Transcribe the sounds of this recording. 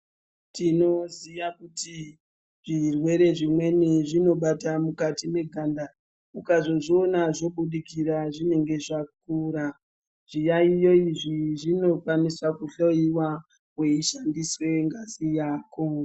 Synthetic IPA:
tino̞ziʋakuti | ʐirwe̞ɾe̞ʐimwe̞niʐino̞ɓatamukatime̞ɡʱanda | ukazo̞ʐionaʐo̞ɓuɗikiraʐine̞ŋɡe̞ʐak̚uɾa | ʐ̥ijaijo̞iʐiʐino̞kanisakuɬoiwa | ɦwe̞iʃandiswe̞ŋɡazijaːko

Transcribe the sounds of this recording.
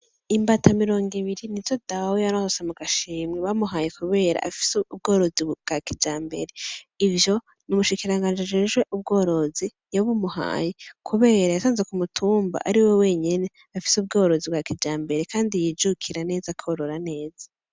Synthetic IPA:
imbatʰamiɾo̞ːŋɡiβiɾiniz̥odawojaɾohosamuɡaʃiːmŋeβamuɦaːjekuβe̞ːɾa̰ʔa̰fi̥sub̚ɡo̞ːɾo̞zibɡ̥akid͡ʒaːmbe̞ɾeivjo̞ | numuʃikiɾaŋɡaːnd͡ʒiad͡ʒeʒɡwe̞ʔub̚ɡo̞ːɾo̞zi | jaβumuha̰ːjekʰuβe̞ːɾajasaːnzekumutʰuːmba̰ʔaɾiwewe̞ːɲene̞ | afi̥sub̚ɡo̞ːɾo̞zib̚ɡakid͡ʒaːmbe̞ɾe̞kʰaːndijid͡ʒukʰiɾane̞ːzakʰoɾoɾane̞ːz̥ḁ

